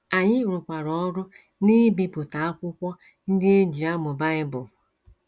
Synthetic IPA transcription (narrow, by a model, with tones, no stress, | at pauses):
a˨ɲɪ˦˨ɾʊ˨kʷa˨ɾɔ˨ɔ˦ɾʊ˦ | ni˦bi˨pʊ˨ta˨a˦kʷʊ˦kʷɔ˦ | n̩˦dɪ˦e˦d͡ʒi˨a˦mʊ˨ba˦ɲɪ˦bʊ˨